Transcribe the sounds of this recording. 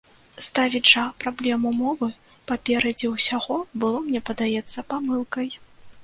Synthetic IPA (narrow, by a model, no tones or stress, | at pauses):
st̪avʲiʐɐpɾablʲɛmumɔvɨ | papʲɛɾɐd͡zʲiwsʲaɣɔbɨlˠɔmnʲɛpɐd̪ajɛt̪sːɐpamɨlˠkɐj